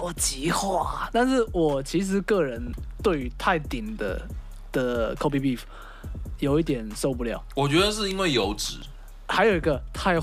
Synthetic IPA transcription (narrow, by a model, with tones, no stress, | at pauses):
ɔ˨˩t͡ɕi˧˥xwa˥˩t̪a˥˧nʂɻ̩˥˩wɔ˨˩t͡ɕʰi˧˥ʂ̬ɻ̩˧˦kɤ˥˨ɻə˧˦nt̪we˥˩ɪy˧˥t̪ʰa˥˧ɪt̪i˨˩ŋd̪ə̰˦ | d̪̥ə˨kʰo˥pʰi˧bi˥˩f | jo˨˩ʊi˥˩t̪̬jɛ˨˩nso˥˧ʊpu˥˧ljɑ̰˥˨˩ʊwɔ˨˩t͡ɕɥɛ˧˥d̪ə˧ʂ̬ɻ̩˥˧i˥nwe˥˩ɪjo˧˥ʊʈ͡ʂɻ̩˨˩˦ | xa˧˥ɪjo˨ʊi˦ɡə˧t̪ʰa˥˧ɪ